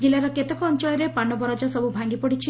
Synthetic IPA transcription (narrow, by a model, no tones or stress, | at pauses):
d͡ʒilːaɾɔket̪ɔkɔːnt͡ʃɔɭɔɾepanɔbɔɾɔd͡ʒɔsɔbubʱaŋɡipɔɽit͡ʃʰi